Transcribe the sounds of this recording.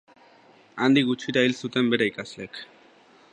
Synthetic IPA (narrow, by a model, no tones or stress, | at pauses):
and̪ikɡut͡ʃiɾailsut̪e̞mbe̞ɾeikazlek